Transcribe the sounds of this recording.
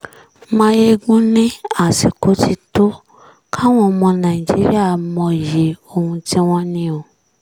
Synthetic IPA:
mã˦je˦ɡũ˦nĩ˦a˦˨si˨ko˨˦ti˦to˦ | kʰa˦w̃ɔ̃˦˧mɔ̃˧nã˨i˨d͡ʒi˦ɾḭ˦a˦˨˦mɔ̃˧˨je˨˦o˧hũ˧ti˦w̃ɔ̃˦nĩ˦o˧

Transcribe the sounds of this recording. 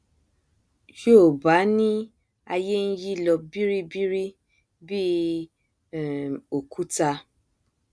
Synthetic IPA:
jo˦˨ba˨˦nĩ˦ | a˧je˦n̩˦ji˦˨lɔ˧bi˦ɾi˦bi˦ɾi˦ | bi˦˨ | o˨ku˨˦ta˧

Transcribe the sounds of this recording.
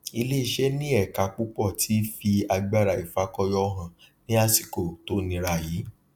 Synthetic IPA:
i˧le˦i˧˨ʃɛ˦nĩ˦ɛ˦˨ka˧k͡pu˦k͡pɔ˦˨tʰi˨˦fi˧a˧ɡ͡ba˦ɾa˨i˨fa˨˦kɔ˧jɔ˧˦˧ɦã˨ | nĩ˦a˦si̥˨ko˨to˨˦nĩ˧ɾa˧˨jiː˨˦

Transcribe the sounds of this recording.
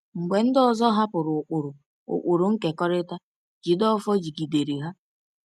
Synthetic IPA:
ŋ͡m̩˨ɡ͡be˨n̩˦dɔ˦zɔ˦ɦa˦pʊ˨ɾʊ˨k͡pʊ˨ɾʊ˨ | ʊ̰˨k͡pu˨ɾʊ˨ŋ̩˦ke˨kɔ˦ɾɪ˦ta˦ | d͡ʒi˨dɔ˦fɔ˦d͡ʒi˨ɡi˨de˨ɾi˨ɦa˦

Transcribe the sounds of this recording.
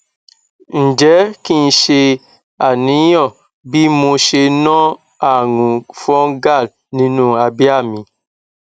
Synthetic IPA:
n̩˨d͡ʒɛ˨˦kĩ˦˧ʃe˧ | a˨nĩ˨˦jɔ̃˦˨ | bi˦mũ˧ʃe˧nɔ̃˦ | a˦˨ŋũ˨fɔ̃˦ɡa˦˨l | nĩ˨˦nũ˦a˧bi˦a˦˨mĩ˨˧

